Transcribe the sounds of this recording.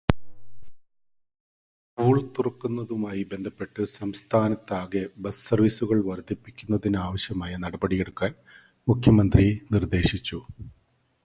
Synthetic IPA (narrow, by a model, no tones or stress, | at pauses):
puːɭt̪ːurɐkːunːɐðumaːjibe̞nd̪ʱɐpːe̞ʈːɨsɐmst̪ʰaːnɐt̪ːaːɣebɐssɐrʋisuɣɐɭʋɐrd̪ʱipːikʲːunːɐðinaːʋɐɕjɐmaːjɐnɐɽɐbɐɽije̞ɽukːaːn | mukʰjɐmɐnd̪rinird̪e̞ːɕit͡ɕːu